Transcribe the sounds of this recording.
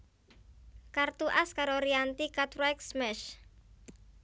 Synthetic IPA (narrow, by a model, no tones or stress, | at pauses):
kart̪uʔaskaɾoɾiant̪ikat̪ɾɛksmɛʃ